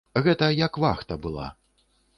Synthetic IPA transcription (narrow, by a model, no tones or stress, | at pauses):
ɣɛt̪ɐjɐkvaxt̪ɐbɨlˠa̰